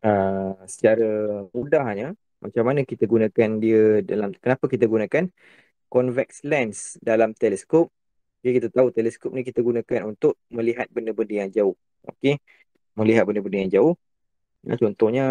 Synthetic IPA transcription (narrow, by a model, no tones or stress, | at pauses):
əsə̥t͡ʃaɾamudahɲa | mat͡ʃamːanəkit̪aɡunãkandiədalamkənapakit̪̬aɡunãkan | kɔnvɛk̚slɛnsdalamt̪ɛlɛskop̚ | kəkit̪at̪aut̪ɛlɛskop̚nik̬it̪aɡunãkanunt̪ʊʔ̚mə̃liɦat̪̚bəndəbəndəjaŋd͡ʒaʊh | ʔo̰ke | mə̃liɦat̪̚bəndəbəndəjaŋd͡ʒaʊh | ja̰t͡ʃɔnt̪ɔhɲa